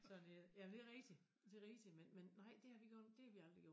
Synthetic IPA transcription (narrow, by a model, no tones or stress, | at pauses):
sɒ̽njæmnd̥e̝ʁɛ̥si | d̥e̝ʁi̥simenmenːɑ̈ɪ̰d̥e̝hɑ̈ʋiɡ̥ɒnd̥e̝hɑ̈ʋiɑ̈ld̥ʁiɡ̥jo̰